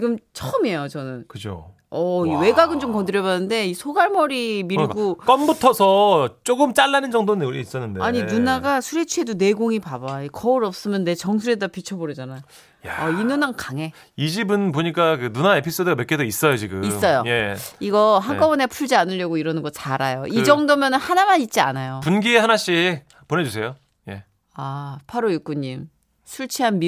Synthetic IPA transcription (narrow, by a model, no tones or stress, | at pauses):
t͡ɕiɡɯmt͡ɕʰʌɯme̞jot͡ɕʌnɯnkɯd͡ʑo̰ | ʌiwe̞ɡaɡɯnt͡ɕomkʌndɯɾjʌbanːɯnde̞isʰoɡaɭmʌɾimiɾɡuk͈ʌmbutʰʌsʰʌt͡ɕ͈oɡɯmt͡ɕ͈aɭːanɯnd͡ʑʌŋdonɯis͈ʌnːɯndeaɲinunaɡasʰuɾe̞t͡ɕʰue̞done̞ɡoŋipabaekʌɯɾʌp̚s͈ɯmjʌnːe̞t͡ɕʌŋs̬ʰuɾe̞dapit͡ɕʰʌboɾid͡ʑanajo | jaʌinunaŋkaŋe̞ | id͡ʑibɯnpoɲik͈akɯnunae̞pʰis͈odɯɡamek͈edois͈ʌjot͡ɕiɡɯisms͈ʌjoje̞iɡʌɦaŋk͈ʌbunepʰuɭd͡ʑianɯʎjʌɡoiɾʌnɯnɡʌt͡ɕaɾajoʔid͡ʑʌŋdomjʌnɯnhanamaɲit̚t͡ɕ͈ia̰najopunɡihanaɕ͈i | pone̞d͡ʑus̬ʰe̞jo | je̞̰ | apʰaɾojuk͈uɲːim | sʰuɭt͡ɕʰiɦanmi